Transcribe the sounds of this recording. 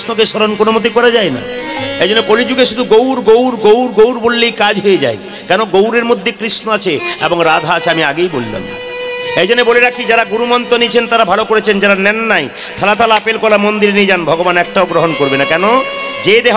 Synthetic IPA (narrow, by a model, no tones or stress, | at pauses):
nok̬eʃɔɾonkonomot̪̬ikɔɾad͡ʑaena̰ed͡ʑonːekolid͡ʑuɡeʃud̪ʱuɡowɾɡowɾɡowɾɡowɾbolːejkad͡ʑɦojed͡ʑa̰e | kɛnoɡowɾeɾmod̪ʱːekɾisnoat͡ɕʰeḛboŋɾad̪ʱaat͡ɕʰeamiaɡejbolla̰m̰ | ejd͡ʑonːeboleɾakʰid͡ʑaɾaɡuɾumɔnt̪onit͡ɕʰent̪aɾabʱalokoɾet͡ɕʰend͡ʑaɾanɛnːaj | t̪ʰalat̪ʰalaapelkɔɾamond̪iɾenid͡ʑanbʱɔɡobanɛk̚ʈaoɡɾoɦonkoɾbenakɛnod͡ʑed̪eɦ